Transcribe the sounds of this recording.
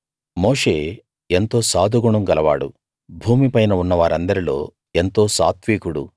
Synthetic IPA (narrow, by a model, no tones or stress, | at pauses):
mo̞ːʂeː | e̞nt̪o̞ːsaːd̪ʱuɡuɳɐmɡɐlɐʋaːɽṵ | bʱuːmipɐjnɐunːɐʋaːɾɐnd̪ɐɾilo̞̰ː | e̞nt̪o̞ːsaːt̪ʋiːkuɽu